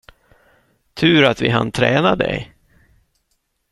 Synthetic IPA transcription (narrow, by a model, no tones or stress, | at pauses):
t̪ʰʉ̟ːɾat̪vɪɦant̪ʰɾɛ̰ːnad̪ɛ̰j